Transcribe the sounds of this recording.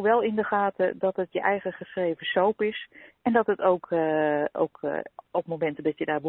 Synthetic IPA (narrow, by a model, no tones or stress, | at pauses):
ʋɛlˠɪndəχaːtə̰dɔtətjəʔɛjχəχəsrejvəsowpɪsɛndɔtətowk | o̰wkɔpmowmɛntədɔtjədaːb